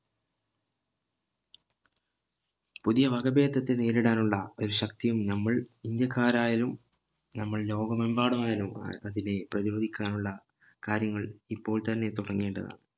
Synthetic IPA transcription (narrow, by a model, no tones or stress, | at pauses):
puðijɐʋɐɡɐbe̞ːd̪ɐt̪ːe̞neːɾiɽaːnuɭːɐo̞ɾuɕɐk̚t̪ijumnɐmːɐɭind̪jɐkːaːɾaːjɐlum | nɐmːɐɭlo̞ːɡɐmɐmbaːɽɐmaːjɐlumɐðine̞prɐðiɾoːd̪ʱikʲːaːnuɭːɐ | kaːɾjɐŋːɐɭipːo̞ːɭt̪ɐnːe̞t̪uɽɐŋːeːɳɖɐða̰ːɳɨ